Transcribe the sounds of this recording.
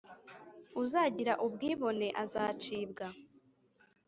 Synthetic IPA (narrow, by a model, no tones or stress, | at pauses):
uzaːɟiɾaʔub̚ɡiːβo̞ne̞ʔazaːt͡ʃiːbɡa